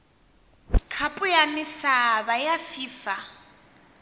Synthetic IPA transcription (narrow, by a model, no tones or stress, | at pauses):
kʰapʼʊjanɪsaβajafiːfa